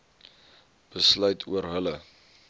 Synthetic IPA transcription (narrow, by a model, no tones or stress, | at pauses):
b̥əslœɥtʰuərɦələ